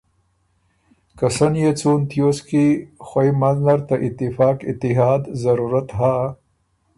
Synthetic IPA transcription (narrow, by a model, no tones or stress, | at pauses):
kɐsɐnjet͡suːnt̪joskixɐjmɐznɐɾt̪aʔɪt̪ːifaːkɪt̪ɪɦaːd̪zɐɾuːɾat̪ɦaː